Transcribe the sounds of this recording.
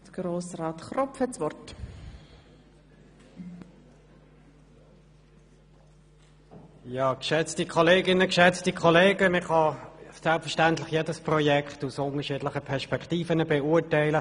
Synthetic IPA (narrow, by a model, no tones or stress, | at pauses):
d̥əɡ̥ɾoːsrɑːtχɾɔpfhɛt͡sʋɔrt | jɑːkʃɛt͡stikʰɔleːɡɪnəkʃɛt͡stikʰɔleːɡəmɪχɑsɛlpfəʃtɛntlɪχjeːdəsprɔjɛkχtusʊnəʃiːdlɪχəpʰɛɐʃpɛkχtiːfənəbeuːɐtæɪlə